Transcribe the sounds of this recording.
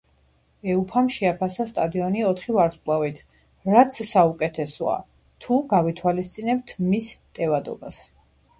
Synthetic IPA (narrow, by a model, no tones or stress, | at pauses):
ɛupʰamʃɛapʰasast̪ʼad̪iɔniɔt̪ʰχivaɾspʼlˠavit̪ʰ | ɾat̪sʰsaukʼɛt̪ʰɛsɔa̰ | t̪ʰuɡavit̪ʰwalist̪sʼinɛbt̪ʰmist̪ʼɛvad̪ɔ̰bas